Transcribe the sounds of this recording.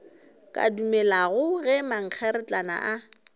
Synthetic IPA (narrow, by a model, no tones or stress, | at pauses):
kʼa̰dumɛlaɣʊɣɛmaŋ̩q͡χʰɛɾɪt͡ɬʼana̰ʔa